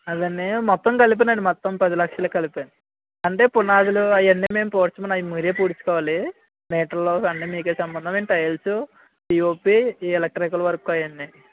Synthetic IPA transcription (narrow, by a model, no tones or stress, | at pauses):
ɐd̪ɐnːimɔt̪ːɐmkɐlip̬eːnɐɳɖimɔt̪ːɐmpɐd̪ilɐkʂɐlɐːkɐlipeːɳi | ɐɳʈe̞ːpunaːd̪uluɐjɐnːime̞ːmpoːɾt͡ʃːumɐnajmuɾeːpuːɽit͡ʃːu̥kɔːʋaːli | mɛːʈɐlːoːɐnːimiːk̬eːsɐmbɐnd̪ɐmeːnʈɐjɐlsu | ʈiːoːpiːɛlek̚ʈɾikɐlɐʋɐɾɐkːuɐjɐnːi